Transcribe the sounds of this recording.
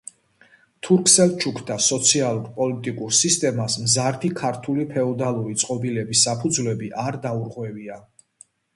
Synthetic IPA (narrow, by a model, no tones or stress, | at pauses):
t̪ʰuɾkʰsɛlˠt͡ʃʰukʰd̪asɔt̪sʰialˠuɾpʼɔlit̪ʼikʼuɾsist̪ʼɛmasmzaɾt̪ʰikʰaɾt̪ʰulipʰɛɔd̪alˠuɾit̪sʼqʼɔbilɛbisːapʰud̪zvlɛbiʔaɾd̪auɾʁwɛvia